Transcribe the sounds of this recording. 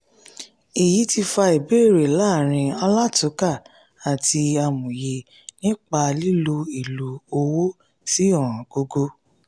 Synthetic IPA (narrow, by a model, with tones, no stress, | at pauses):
i˨ji˨˦ti˧fa˧i˨be˦e˦˨ɾe˨la˦˨ɾ̃ĩ˧ɔ˧la˦tu˨˦ka˦˨ | a˨tʰi˧a˧mũ˨je˧ | nĩ˦k͡pa˧li˦lu˧i˨lu˨o˧wo˦ | si˦ɔ˦˨ɾ̃ɔ̃˨ɡ̥o˧ɡo˧